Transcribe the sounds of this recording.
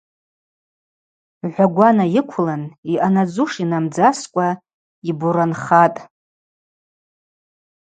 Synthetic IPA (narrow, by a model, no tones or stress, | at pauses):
ʕʷaɡʷanajɪkʷʰlaniʔanad͡zuʂinamd͡zaskʷʼa | ibuɾanχatʼ